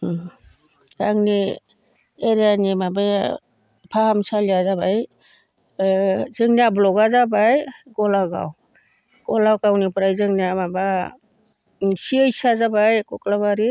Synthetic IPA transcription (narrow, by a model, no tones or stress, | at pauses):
taŋni | eɾijanimabaj | pʰahamsalijazabaj | zɯŋniablɔɡazabajɡɔlaɡa̰w | ɡ̥ɔlawkawnipʰɯɾajzɯŋniamaba | siajsazabajkɔklaβaɾi